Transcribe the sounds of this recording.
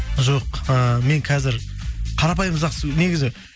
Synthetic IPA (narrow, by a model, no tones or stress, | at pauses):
ʒo̞qəme̞ŋkʲʰɑzɪɾqʰɑɾɑpɑjəməzʒɑqsəne̞ɡʲɪzɪ